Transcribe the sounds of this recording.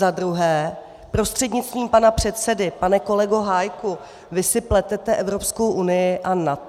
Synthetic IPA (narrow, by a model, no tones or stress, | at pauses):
zadɾuɦɛː | pɾo̞st̪r̝̥ɛdɲɪt̪t͡st̪viːmpanapr̝̥ɛt̪sɛdɪpanɛko̞lɛɡoɦajku | vɪsɪplɛt̪ɛt̪ɛʔɛvɾo̞psko̞wʔunɪjɪʔanat̪